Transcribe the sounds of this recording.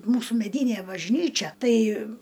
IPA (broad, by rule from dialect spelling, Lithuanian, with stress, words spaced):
ˈmuːsuː mʲɛˈdʲiːnʲeː bɐʒʲˈnʲiːt͡ʃʲɛ ˈtɐɪ